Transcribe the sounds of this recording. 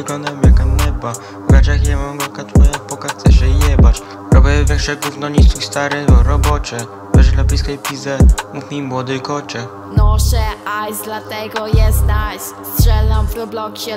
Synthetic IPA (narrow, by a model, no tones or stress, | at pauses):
ɪɡlɔnd̪awmjakanɛba | vɡat͡ʃaxjɛmaŋɡɔkat̪wɔjapɔkaxt̪sɛʃɛɲɛbat͡ʃ | ɾɔbɛvɛxʂɛɡufnɔɲisuxst̪aɾɛvɔɾɔbɔt͡ʃɛ | vɛʐd̪labʲiskɛjpʲizɛmukmʲimwɔd̪ɨjkɔt͡ʃɛ | nɔʃɛajzd̪lat̪ɛɡɔjɛst̪nasstʂɛlnamvɾɔblɔkɕɛ